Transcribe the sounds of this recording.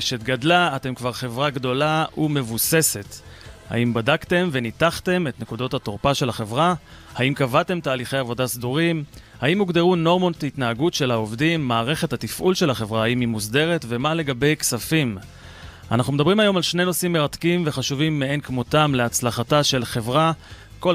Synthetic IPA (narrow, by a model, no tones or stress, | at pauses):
ʃetɡadlaːte̞mkvaʁχe̞vʁaɡdo̞laume̞vuse̞se̞tha̰imbadakte̞mvenitaχte̞me̞tne̞kudo̞thatoʁpaʃe̞laχe̞vʁa | haimkavate̞mtaːliχe̞javo̞dasduʁim | haimːuɡdeʁuno̞ʁmo̞ntitnaaɡutʃe̞laovdimːaːʁe̞χe̞thatifʔulʃe̞lhaχe̞vʁahaimimːusde̞ʁe̞tve̞male̞ɡabe̞jksafim | ʔa̰naχnumedabʁimajo̞malʃne̞jno̞simːe̞ʁatkimve̞χaʃuvimːeenkmo̞tamleat͡slaχataʃelχe̞vʁa | ko